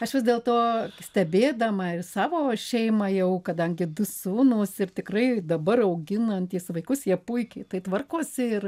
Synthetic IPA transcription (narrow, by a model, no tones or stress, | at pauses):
ɐʃʋʲɪsʲd̪ʲeːlˠt̪oːsʲt̪ʲɛbʲeːd̪ɐmɐɪsɑːʋoːʃʲɛɪmɐjɛʊkɐd̪ɐŋʲɡʲɪd̪ʊsuːnoːsɪrt̪ʲɪkrɐɪd̪ɐbɐrɐʊɡʲɪnɐnt̪ʲiɛsʋɐɪkʊsjiɛpʊɪkʲɛɪt̪ɐɪt̪ʋɐrkoːsʲɪɪr